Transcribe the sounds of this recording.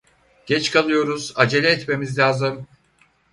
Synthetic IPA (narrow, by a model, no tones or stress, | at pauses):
ɟ̥ɛt͡ʃkʰalˠɯjo̞ɾuzad͡ʒe̞lʲɛːt̪me̞mizlʲaːzɯm